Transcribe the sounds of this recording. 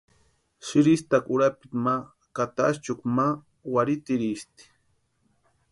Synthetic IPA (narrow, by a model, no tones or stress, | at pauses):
ʃiɾist̪akʼuɾapit̪ma | kat̪ast͡ʃukma | waɾit̪iɾist̪i̥